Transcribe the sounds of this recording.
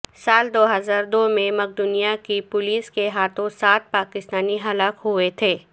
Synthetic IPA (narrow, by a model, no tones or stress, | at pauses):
saːld̪oːɦɐzaːɾd̪oːmẽmɐk̚d̪ʊnijakipʊliːskeɦaːt̪ʰõsaːt̪̚paːkɪst̪aːniɦɐlaːkɦuet̪ʰeː